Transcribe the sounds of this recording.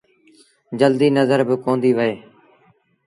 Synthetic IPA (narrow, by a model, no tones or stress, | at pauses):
d͡ʒəld̪iːnəzəɾbɪkõːnd̪iːʋəeː